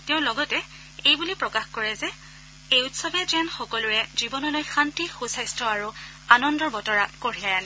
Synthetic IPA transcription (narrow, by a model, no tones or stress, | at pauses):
teʊ̃lɔɡɔtɛ | ejbulipɹɔkaxkɔɹɛzɛ | ejutsɔbɛzanxɔkɔlʊɹɛzibɔnɔlojxantixusajstɔaɹu | anɔndɔɹbɔtɔɹakoɹiajanɛ